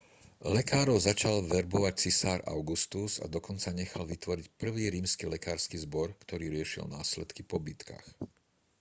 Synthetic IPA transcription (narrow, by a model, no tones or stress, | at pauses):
lɛkaːɾɔʊzat͡ʃalʋɛɾbɔʋac̚t͡sisaːɾa̰ʊɡust̪uza̰d̪ɔkɔnt͡saɲɛxalʋit̪ʋɔɾicpr̩ʋiːɾiːmskilɛkaːɾskizbɔɾkt̪ɔɾiːɾɪɛʃḭlnaːslɛt̪kipɔbit̪ka̰x